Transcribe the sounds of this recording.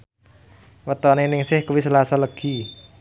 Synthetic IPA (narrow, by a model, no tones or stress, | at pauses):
wət̪ɔnenɪŋsɪhkuwisəlasɔləɡ̥i̤